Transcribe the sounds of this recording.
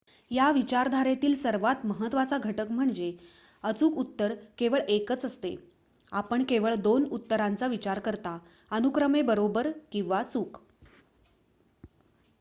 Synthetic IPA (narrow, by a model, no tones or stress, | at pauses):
jaʋit͡ɕaɾd̪ʱaɾet̪iːlsəɾʋat̪məɦət̪ʋat͡saɡʱəʈəkm̤əɳd͡ze | ət͡suːkut̪ːəɾkeʋəɭekət͡səst̪ḛ | apəɳkeʋəɭd̪onut̪ːəɾant͡saʋit͡ɕaɾkəɾt̪a | ənukɾəmebəɾobəɾkĩw̃ʋat͡suːk